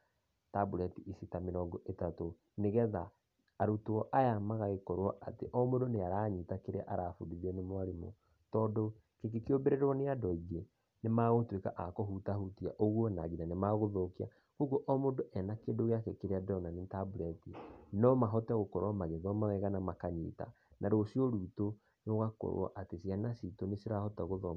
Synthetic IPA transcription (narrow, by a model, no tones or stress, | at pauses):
tabuɾɛtiisitameɾɔːŋɡɔʔetato | neɣɛðaː | ɾutoɔʔajamaɣaɣekɔɾwɔʔatḛʔɔmodoneaɾaːɲitakeɾeaʔaɾaːfudiðiɛnemwaɾimɔ̰ | tɔːdo | kek̬ekeobeɾeɾwɔneadɔiɣe | nemaːɣotwekaʔakɔɦutahutiaʔoɣwɔnaɣinanemaɣoðokia̰ | ɣoɣoʔɔmodoʔɛnakendoɣeakɛkeɾeadɔnanitabuɾɛtinɔmaɦɔtɛɣokɔɾwamaɣeðɔmawɛɣanamakaɲḭːta̰ | naɾosioɾuto | noɣakɔ̰ɾw̰ɔ̰ʔatesianasitonesiɾahɔtɛɣoðɔ